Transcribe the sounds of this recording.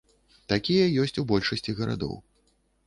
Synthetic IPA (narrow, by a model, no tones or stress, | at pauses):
t̪akʲijɐjɔsʲt͡sʲubɔlʲʂɐsʲt͡sʲiɣɐɾa̰d̪ɔ̰w